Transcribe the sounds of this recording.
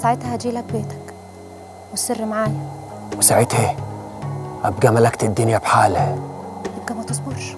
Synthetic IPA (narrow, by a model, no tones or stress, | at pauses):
saʕet̪hæd͡ʒiːlæk̚beːt̪æ̥k | wɪserːmaʕaːniwɪsaʕet̪heː | ʔæb̚ɡæmalækt̪ɪd̪ːʊnjæbħaːlhæʔæb̚ɡæmæt̪esˤboɾʃ